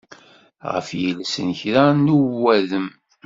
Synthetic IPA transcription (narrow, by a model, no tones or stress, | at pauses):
ʁə̰fjəlsə̰nçɾanuwːæðəm